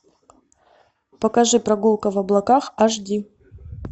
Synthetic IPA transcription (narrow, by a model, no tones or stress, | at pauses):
pəkɐʐɨpɾɐɡulˠkəvɐblˠɐkaxaʐdʲi